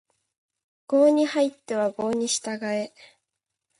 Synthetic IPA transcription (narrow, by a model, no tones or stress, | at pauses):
ɡ̥o̞ːɲ̟ihait̪ːe̞βaɡo̞ːɲ̟iɕi̥t̪aɡae̞